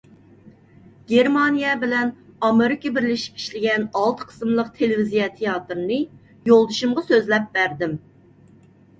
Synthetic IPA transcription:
ɡʲeɾmɑnijɛbɪlɛnɑmeɾɪkʲɑbɪɾlɪʃi̥pi̥ʃlɪɡʲɛnɑlˠt̪ʰə̥qʰə̥smlˠəq̚t̪ʰelɪvizijɑt̪ʰejɑt̪ɾɨnɨ | jolˠd̪uʃumʁɑsøzlɛp̚bæɾd̪ɪm

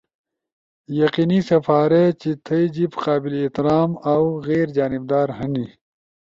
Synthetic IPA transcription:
jɐqinisɐfaːɾet͡ɕit̪ʰɐid͡ʑibqaːbileeht̪iɾaːmɐwɣeːɾd͡ʑaːnib̚d̪aːɾɦɐni

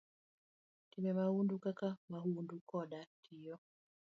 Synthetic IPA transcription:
kimɛmahundukakamaɦundukɔɗatʰijɔ

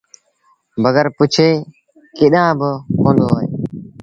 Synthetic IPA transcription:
bəɡəɾpʊt͡ʃʰeː | kɪɗãːbəɦõːnd̪oːɦoːḛː

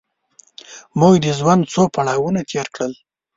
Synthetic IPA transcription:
mʊɡd̪əzwand̪t͡sopaɽɑwunat̪ʰeɾkɽəl

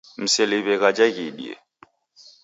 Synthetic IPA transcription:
m̩sɛliβɛɣad͡ʒaɣiɗḭɛ̰

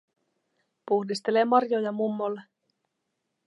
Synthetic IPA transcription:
puhdist̪e̞lemɑrjo̞jɑmumːolːe

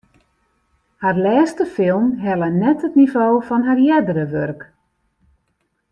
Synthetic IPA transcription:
harlɛːstəfɪlˠmɦɛlənɛtɦətnivoːfɔnɦarjɛdəɾəʋørk

